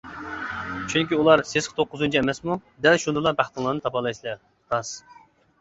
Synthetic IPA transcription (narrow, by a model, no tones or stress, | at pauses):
t͡ʃʰyŋʲkʲiulˠɑɾsesqʰə̥t̪ʰoqːʊzunt͡ʃʰiɛmɛsmud̪ɛlʃund̪ɨlˠɑbæχt̪ɨŋlˠɑɾnɨt̪ʰɑpɑlˠɑjslɛ | t̪ɑs